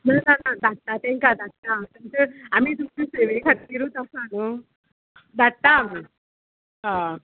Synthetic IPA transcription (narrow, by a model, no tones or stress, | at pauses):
nananad̪aɽt̪at̪ɛ̃ŋkad̪aɽt̪at̪ɛmt͡ɕəamiːt̪umt͡ɕiseʋekʰat̪̚iɾuːt̪asanə | d̪aɽt̪aːmi | ɦã